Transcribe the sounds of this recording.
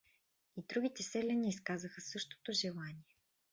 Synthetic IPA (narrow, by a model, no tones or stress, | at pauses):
id̪ɾuɡ̟ʲit̪ɛsɛlʲɛniːskazəxəsɤʃt̪o̥t̪oʒɛlˠanʲiɛ